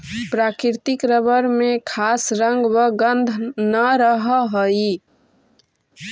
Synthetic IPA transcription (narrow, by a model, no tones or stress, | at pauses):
pɾakiɾt̪ikɾəbəɾmekʰasɾəŋɡbəɡənd̪ʱnəɾəɦəɦəi